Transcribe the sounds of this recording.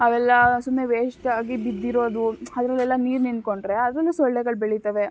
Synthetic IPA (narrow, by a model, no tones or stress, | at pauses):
ɐʋɛlːɐsumːeʋeːʂʈaːɡibid̪ːiɾo̞ːd̪uɐd̪ɾɐlːɛlːɐniːɾnind̪koɳɖɾeɐd̪ɾɐlːusɔɭɖɛɡɐɭbeɭit̪ɐʋe̞